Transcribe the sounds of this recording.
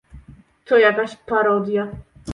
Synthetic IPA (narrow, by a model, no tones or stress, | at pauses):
t̪ɔjakaɕpaɾɔd̪ʲja